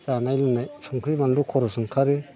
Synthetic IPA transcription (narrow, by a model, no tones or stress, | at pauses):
zanajlunajsʰɔŋkʰɾibaŋdukʰɔɾɔsɯŋkʰaɾɯ